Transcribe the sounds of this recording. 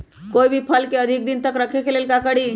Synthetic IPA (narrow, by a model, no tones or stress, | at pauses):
koibʱipʰəlkeəd̪ʱik̚d̪int̪əkɾəkʰekʰelelkakəɽi